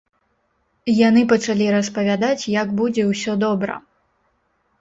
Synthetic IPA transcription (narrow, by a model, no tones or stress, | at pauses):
janɨpɐt͡ʂalʲiɾɐspɐvʲad̪at͡sʲjɐɡbud͡zʲɛwsʲɔd̪ɔbɾɐ̰